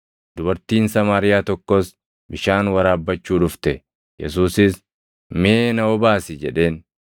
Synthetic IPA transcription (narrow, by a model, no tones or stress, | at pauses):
d̪̥ʊbɐɾt̪iːnsɐmaːɾɪjaːt̪ɔkːɔs | bɪʃaːnwɐɾaːbːɐt͡ʃːuːᶑʊft̪ɛ | jɛ̰suːsɪs | meːnɐɔbaːsɪd͡ʒɛᶑe̞ːn